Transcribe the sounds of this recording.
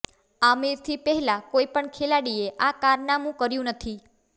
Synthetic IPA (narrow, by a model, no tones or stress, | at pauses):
amiɾt̪ʰipɛɦɛlakoipəɳkʰelaɽieʔakaɾnamũkəɾjũnət̪ʰi